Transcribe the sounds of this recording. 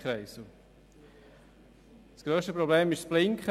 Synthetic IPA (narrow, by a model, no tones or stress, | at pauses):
ɾɛɪsə | sɡ̥ɾøːʃtəpɾobleːmɪʃsplɪŋkʰχ